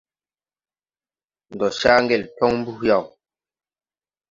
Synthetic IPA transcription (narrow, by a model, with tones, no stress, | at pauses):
n̩˨dɔ˨ʃa˦ŋ˦ɡɛ˨ltɔ˦ŋm̩˦bu˦hja˦˨w